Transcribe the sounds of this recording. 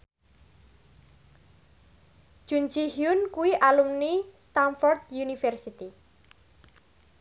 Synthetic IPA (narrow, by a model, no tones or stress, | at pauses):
ʒ̥und͡ʒihjʊnkuwiʔalumnist̪anfɔrd̪junifɛrsit̪i